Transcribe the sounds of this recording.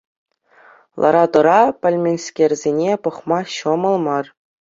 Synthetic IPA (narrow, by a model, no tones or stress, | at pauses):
lˠʔɑ̰ɾɑd̪ɤ̆ɾɑpʲɘ̆lʲmʲenʲskʲerʲzʲenʲepɤ̆χmɑɕɤ̆mɤ̆lˠmɑr